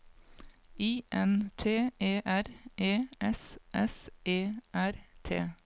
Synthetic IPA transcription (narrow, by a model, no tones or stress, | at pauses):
iːʔɛnt̪ʰeːʔeːʔæɾʔeːʔɛsʔɛsʔeːʔæɾt̪ʰḛː